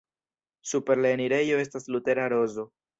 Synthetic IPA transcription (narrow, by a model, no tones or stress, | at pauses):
supe̞ɾleeniɾe̞jo̞e̞staslute̞ɾaɾo̞zo̞